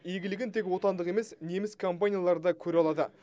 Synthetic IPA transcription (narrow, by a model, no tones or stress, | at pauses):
eɡʲɪlɪɡʲɪnt̪ʰe̞kwo̞t̪ɑnd̪əqe̞me̞sne̞mɪskʰo̞mpanʲijalˠɑɾd̪ɑkʲʰɵɾeɑlˠɑd̪ə̰